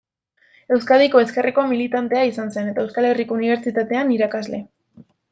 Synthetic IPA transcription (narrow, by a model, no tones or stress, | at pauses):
e̞wskaðiko̞e̞ske̞rʔiko̞milit̪ant̪e̞aisanse̞ne̞t̪ae̞wskale̞riko̞uniβ̞e̞ɾt͡ʃit̪at̪e̞aniɾakazle̞